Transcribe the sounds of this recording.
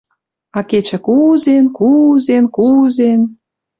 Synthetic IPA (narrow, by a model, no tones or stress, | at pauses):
ɑket͡ɕə̆kuzenkuzenkuzen